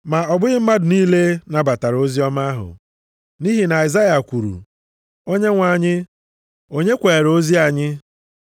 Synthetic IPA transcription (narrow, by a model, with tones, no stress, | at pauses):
ma˨ɔ˨bʊ˦ɣɪ˦m̩˦ma˦dʊ˨niː˦le˦na˨ba˨ta˨ɾo˦zi˦ɔ˦ma˦ɦʊ̰˨ | ni˦ɦi˨na˨i˨za˦ja˨kʷu˨ɾṵ˨ | o˦ɲe˦ŋʷa˨ɲɪ˦ | o˦ɲe˦kʷe˨ɾo˦zi˦a˨ɲɪ˦